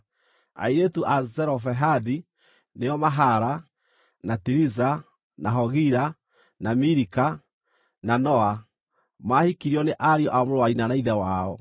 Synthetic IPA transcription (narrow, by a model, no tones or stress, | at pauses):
a̰iɾetuʔazɛɾɔfɛɦadi | nejɔmaɦaɾa | natiɾiza | naɦɔɣiɾa | namiɾika | nanɔa | mahikiɾiɔneʔaɾiɔʔamoɾwaɾinanaiðɛwaɔ